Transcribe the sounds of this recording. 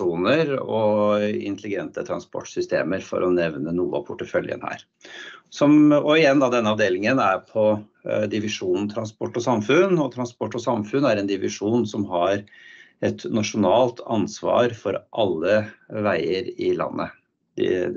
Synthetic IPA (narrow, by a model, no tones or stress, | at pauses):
uːnəɾɔɪ̰nt̪əlɪɡɛnt̪ət̪ʰɾɑnspɔ̰ʈːsʏst̪ḛːməɾfɔ̰ɾʔɔnɛʋnənuːəɑ̰pʰʊʈːəfœljə̰nhæ̰ːɾ | sɔmɔɪjɛnd̪ɑːd̪ɛnːəɑʋd̪eːlɪŋənæɾpʰɔ | d̪ɪʋɪʂuːnn̩t̪ʰɾɑnspɔʈːɔsɑmfʉnɔt̪ʰɾɑnspɔʈːɔsɑmfʉnæɾɛnd̪ɪʋɪʂuːnsɔmɦɑɾɛt̪nɑʂʊnɑːlt̪ʰɑnsʋɑ̰ːɾfɔɾʔɑlːəʋæɪəɾɪlɑ̰nːʔə | d̪ɛ̰